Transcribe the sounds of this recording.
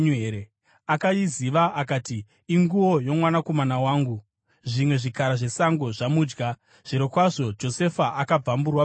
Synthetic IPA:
eɾe | akaiziʋaʔakaːtiː | ŋɡuwo̞jo̞mwanako̞manawaːŋɡu | ʐimwe̞ʐikaɾaʐe̞saŋɡo̞ʐamuːd͡ʒɡa | ʐ̥iɾokwaʐo̞d͡ʒo̞se̞faʔakab͡vamburwa

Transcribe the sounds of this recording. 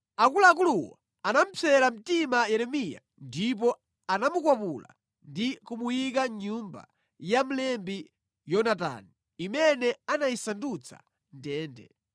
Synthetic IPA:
akulak̬uluwa̰ | anam̩pʰɛlam̩timajɛɾɛmija̰ | ndip̬ɔ | anamukwapula̰ | ndikumujik̬aɲumba̰ | jam̩lɛmbi | jɔnat̬a̰ni | imɛnɛanajisandut͡sʰa̰ | ntɛːndɛ̰

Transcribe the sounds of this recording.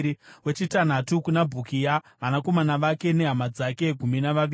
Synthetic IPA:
we̞t͡ʃitan̤atukunabʱukija | ʋanako̞manaʋake̞ne̞ɦamad͡zake̞ɡʱuminaʋaʋi

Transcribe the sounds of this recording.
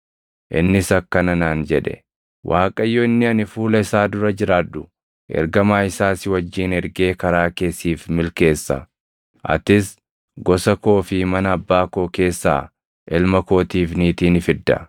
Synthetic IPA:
ʔɪ̰nːɪsɐkːɐnɐnaːnd͡ʒɛᶑɛ̥̰ | wʔaːkʼɐjːɔɪnːɪɐnɪfuːlɐɪsaːd̪ʊɾɐd͡ʒɪɾaːd̪ːʊ | ʔɛ̰ɾɡɐmaːɪsaːsɪwɐd͡ʒːiːnɛɾɡe̞ːkɐɾaːke̞ːsiːfmɪlke̞ːsːɐ̰ | ʔɐ̰t̪ɪs | ɡɔsɐko̞ːfɪmɐnɐːbːaːko̞ːke̞ːsːa̰ː | ʔɪlmɐko̞ːt̪iːfniːt̪iːnɪfɪd̪ːɐ̰

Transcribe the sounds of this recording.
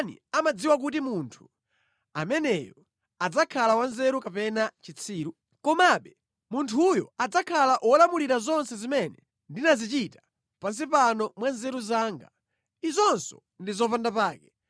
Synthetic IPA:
nḭamad͡ziwak̬ut̬imuntʰu̥ | a̰mɛnɛjɔ | ad͡zakʰalawanzɛɾukapɛnat͡ʃit͡sʰiːɾu | kɔmaɓɛ | muntʰujɔ̰ad͡zakʰalaʔwɔlamuliɾazɔnsɛzimɛnɛ | ndinazit͡ʃitḁ | pans̬ipanɔmwanzɛɾuzaːŋɡa | izɔnsɔ̥̰ | ndizɔpandapaːkɛ

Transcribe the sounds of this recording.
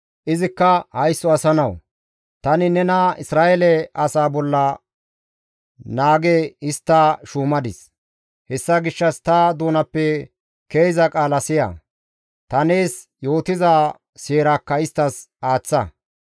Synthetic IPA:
ʔɪzɪkːɐhɐjsːɔɐsɐnɐw | t̪ɐnɪnɛnɐɪsɾaːʔelɛɐsaːbɔlːɐ | naːɡeɪst̪ːaʃuːmɐd̪ɪs | hɛsːɐɡɪʃːɐst̪ɐd̪uːnɐpːɛ | keːzɐkʼaːlɐsɪjɐ̰ | t̪ɐneːs | jo̞ːt̪ɪzaː | seːɾakːɐɪst̪ːɐsaːt͡sːɐ

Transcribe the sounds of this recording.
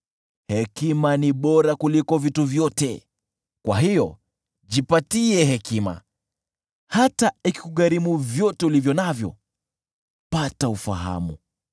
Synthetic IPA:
hɛkimaniɓɔɾakulikɔvituvjɔtɛ̰ | kwa̰ɦijɔ | ʄipatiɛɦɛkima̰ | hataiki̥kuɠaɾimuvjɔtɛulivjɔnavjɔ̰ | pataufa̰ɦa̰mu

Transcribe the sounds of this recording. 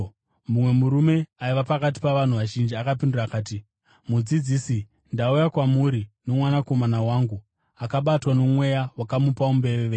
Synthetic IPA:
mumwe̞muɾume̞aiʋapakat̬i̥paʋan̤uʋaʒind͡ʒiakapinduraːkaːti | mud͡zid͡ziːsi | ndaujakwamuɾino̞mwanako̞manawaːŋɡu | akaɓatwano̞mwe̞jawakamupaumbe̞ʋeʋe

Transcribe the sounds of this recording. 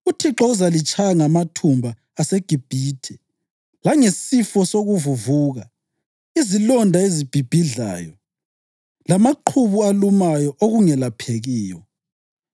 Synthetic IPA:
utʰiǁɔuzalit͡ʃʼʰajaŋamatʰumbʱaːseɡ̥ʱib̥ʱiːtʰɛ | laŋesifɔsoɣuvuvuːɣa | izilɔndʱaezib̥ʱib̥ʱiɮa̰ːjɔ | lamaǃʰuβualumajɔʔoɣuŋɛlapʰeɣiːjɔ

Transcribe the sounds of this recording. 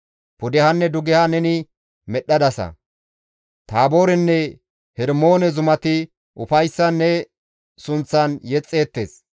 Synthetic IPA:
pʊd̪ɛhɐnːɛd̪ʊɡɛhɐnɛnɪ | mɛɗːɐd̪ɐsɐ̰ | t̪aːbo̞ːɾɛnːɛ | hɛɾmo̞ːnɛzʊmɐt̪ɪ | ʔʊfɐjsːɐnːɛ | sʊnt͡sːɐnjɛt͡sʼːe̞ːt̪ːḛːs

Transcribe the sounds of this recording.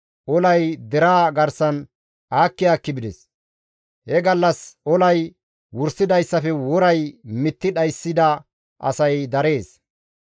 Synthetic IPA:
ʔɔlɐjd̪ɛɾaːɡɐɾsɐn | aːkːɪjaːkːɪbɪd̪ɛs | hɛɡɐlːɐsʔɔlɐj | wʊɾsːɪd̪ɐjsːɐfɛwɔɾɐjmɪt̪ːɪᶑɐjsːɪd̪ɐ | ʔɐ̰sɐjd̪ɐɾe̞ːs

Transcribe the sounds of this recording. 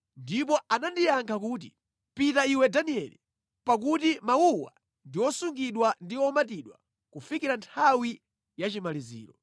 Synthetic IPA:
ndip̬ɔanandijaŋkʰakuːt̬ḭ | pitaiwɛdaniɛlḭ | pak̬utimauwa̰ | ndiwɔsuŋɡiɗwandiwɔmat̬iɗwa̰ | kufikiɾantʰawi | jat͡ʃimalizḭːɾɔ

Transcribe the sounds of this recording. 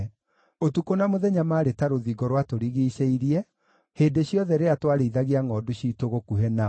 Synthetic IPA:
otukonamoðɛɲamaːɾetaɾoðiɡɔɾwatoɾiɣiʃeiɾiɛ | hendeɕiɔðɛɾeatwaɾeiðaɣiaŋɔːduɕiːtoɣokuɦɛna

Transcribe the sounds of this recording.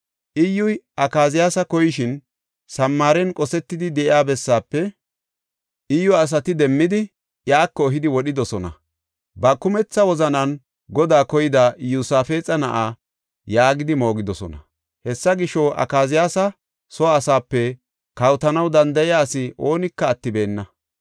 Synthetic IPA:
ʔɪjːʊjʔɐkaːzɪjaːsɐkɔjɪʃɪn | sɐmːaːɾɛnkʼɔsɛt̪ːɪd̪ɪd̪ɛʔɪaːbɛsːaːpːɛ | ʔɪjːɔɐs̬ɐt̪ɪd̪ɛmːɪd̪ɪ | ʔjaːkːɔːɦɪd̪ɪwɔɗɪd̪ɔsɔnɐ̰ | bɐkːʊmɛt͡sːɐwɔzɐnɐn | ɡɔd̪aːkɔjɪd̪ɐjusaːfe̞ːt͡sʼɐnɐʔaː | jaːɡɪd̪ɪmo̞ːɡɪd̪ɔsɔ̰nɐ̰ | hɛsːɐɡɪʃɔʔɐ̰kaːzɪjaːsɐ | sɔːsaːpːɛ | kɐwt̪ɐnɐwd̪ɐnd̪ɐjɪjaːsɪʔo̞ːnɪkːɐːt̪ːɪbe̞ːnːɐ

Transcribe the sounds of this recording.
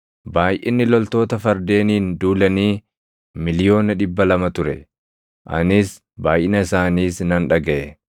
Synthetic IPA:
baːjʔɪnːɪlɔlt̪o̞ːt̪ɐfɐɾd̪e̞ːniːnd̪uːlɐniː | mɪlɪjo̞ːnɐᶑɪbːɐlɐmɐt̪ʊɾɛ̰ | ʔɐ̰nɪs | baːjʔɪnɐɪsaːniːsnɐnᶑɐɡɐʔɛ

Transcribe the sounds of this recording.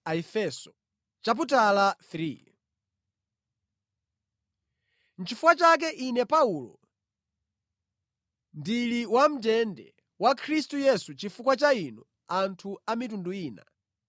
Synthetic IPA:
aifɛsɔ̥ | t͡ʃap̬utalaθɾi | n̩t͡ʃifukwat͡ʃak̬ɛʔinɛpaulɔ | ndiliwam̩tɛndɛ̰ | wakʰɾistujɛsut͡ʃifukwat͡ʃainɔ | antʰuamit̬unduiːna̰

